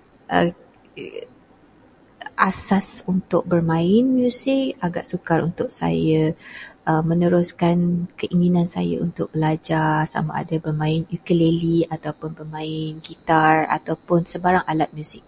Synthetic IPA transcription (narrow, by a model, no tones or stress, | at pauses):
ʔə̰ | ʔasasunt̪ʊk̚bərmãɪnmjusɪk̚aɡa̰ʔsukaɾunt̪ʊʔ̚sa̰jəʔəmə̃nəɾʊskankəʔiŋinansa̰ja̰unt̪ʊk̚bəlad͡ʒasa̰ma̰a̰dabərmãɪnukəleliat̪awpʊnbərmãɪnɡit̪ara̰t̪awpʊnsəbaɾaŋalat̪̚mjusɪk̚